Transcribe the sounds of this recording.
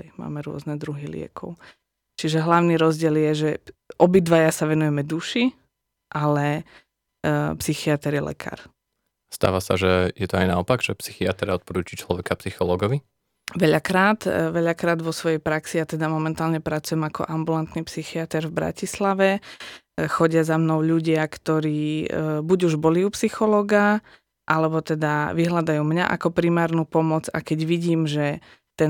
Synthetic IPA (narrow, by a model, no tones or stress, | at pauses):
ma̰ːmɛɾʊɔ̰znɛd̪ɾuɦilɪɛ̰kʰɔ̰ʊ | t͡ʃiʒɛɦlaʊniːɾɔzɟɪɛljɛʒɛʔɔbid̪ʋajasaʋɛnujɛmɛd̪uʃi | ʔalɛ | psixiat̪ɛɾjɛlʔɛ̰kʰa̰ːɾ | st̪a̰ːʋasa̰ʒɛjɛt̪ɔajnaɔpaɡʒ̥ɛpsixiat̪ɾaɔt̪̚pɔɾuːt͡ʃit͡ʃlɔʋɛkapsixɔlɔɡɔʋi | ʋɛʎakɾaːt̪ʋɛʎakɾaːd̪ʋɔsʋɔjɛjpɾaksiat̪ɛd̪amɔmɛnt̪aːlɲɛpɾat͡sujɛmakɔ̰ʔambulant̪nipsixiat̪ɛɾvbɾa̰cislaʋɛ | xɔɟɪazamnɔʊʎuɟɪakt̪ɔɾiːbuɟuʒbɔliupsixɔlɔːɡa | ʔalɛbɔt̪ɛd̪aʋiɦlad̪ajuːmɲaʔa̰kɔpɾimaːɾnuːpɔmɔd͡za̰kɛɟʋiɟiːmʒɛ | t̪ɛ